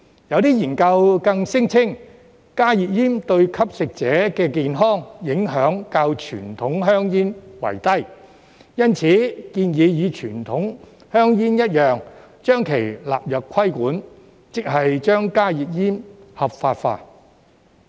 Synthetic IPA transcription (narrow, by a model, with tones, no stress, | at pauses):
jɐ˨˧wt̪iː˥jiː˨˩nkɐ˧wkɐ˧ŋsɪ˥ŋt͡sʰɪ˥ŋ | kaː˥jiː˨t̚jiː˥mt̪ɵ˧ɥkʰɐ˥p̚sɪ˨k̚t͡sɛː˨˥kɛː˧kiː˨nɦɔː˥ŋjɪ˨˥ŋɦœː˨˥ŋkaː˧wt͡ʃʰy̰ː˨˩nt̪ʰʊ˨˥ŋɦœː˥ŋjiː˥nwɐ̰˨˩jt̪ɐ˥j | jɐ˥nt͡sʰiː˨˥kiː˧njiː˨˧jiː˨˧t͡ʃʰyː˨˩nt̪ʰʊ˨˥ŋ | hœː˥ŋjiː˥njɐ˥t̚jœː˨ŋ | t͡ʃœː˥ŋkʰe˨˩jla̰ː˨p̚jɐ˨˩p̚kʰːɐ˥jkuː˨˥n | t͡sɪ˨k̚hɐ˨jt͡ʃœː˥ŋkaː˥ji˨t̚jiː˥mhɐ˨˩p̚faː˧tfa̰ː˧t̚